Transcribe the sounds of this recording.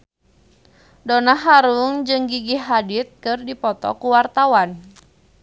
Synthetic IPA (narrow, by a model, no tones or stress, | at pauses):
donaɦaɾuŋd͡ʒɨŋɡiɡiɦadit̪̚kɨrdipɔt̪ɔ̰kuwart̪awan